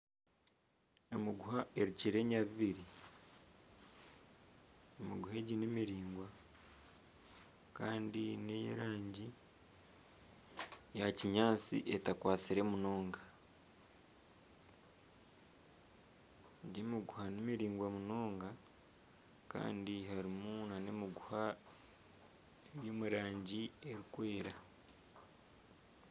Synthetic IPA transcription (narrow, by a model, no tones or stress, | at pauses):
emiɡuhaʔe̞ɾiciɾe̞ɲaβiβiɾi | emiɡuheɟinimiɾiːŋɡwa | kaːndinejḛɾaːɲɟi | jaciɲaːt͡sḭʔe̞takwaːt͡siɾemuno̞ːŋɡa | ɟimiɡuhanimiɾiːŋɡwamuno̞ːŋɡa | ka̰ːndiɦaɾimunanemiɡuha | eβjomuɾaːɲɟieɾikwe̞ːɾa